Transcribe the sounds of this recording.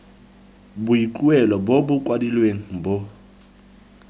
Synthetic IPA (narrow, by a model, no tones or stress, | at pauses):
buiǃʼuɛlɔbobukʼwadilweŋ̩bɔ